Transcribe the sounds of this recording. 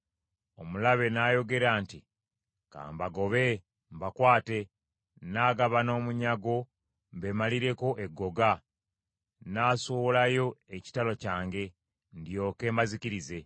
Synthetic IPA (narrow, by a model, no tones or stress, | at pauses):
o̞mulaβe̞najo̞ɡe̞ɾaːnti | ka̰ːmbaɡo̞βe̞ | mbakwaːte̞ | naːɡaβano̞ːmuɲaɡo̞ | mbe̞maliɾe̞ko̞ʔe̞ɡːo̞ɡa | naːsoβolajo̞eci̥talo̞caːŋɡe̞ | ndjo̞ːke̞ːmbaziciɾize̞